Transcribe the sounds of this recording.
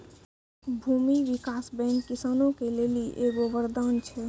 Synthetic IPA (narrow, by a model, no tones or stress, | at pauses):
bʱumiʋikasbɛ̃nːisanõkeleliʔeɡobəɾd̪ant͡ʃʰɛ